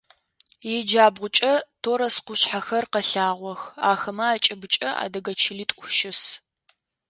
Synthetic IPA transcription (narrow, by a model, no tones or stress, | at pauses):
jɛd͡ʒaːbʁʷʊt͡ʃʼɐtʰoːɾɐsqʷʊɕħaxɐrqɐɬaːʁʷɔxaːxɐmɐaːt͡ʃʼɪbɨt͡ʃʼɐa̰ːdɐɡɐt͡ʃʰɪliːtʼʷʊʃɪs